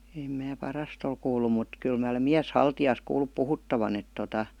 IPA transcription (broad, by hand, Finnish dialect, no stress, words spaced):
eˑm mæː pɑrɑst ol kuːlːu mut kyl mæː olem miæshɑltijɑːs kuːlːup puhutːɑʋɑn et totɑ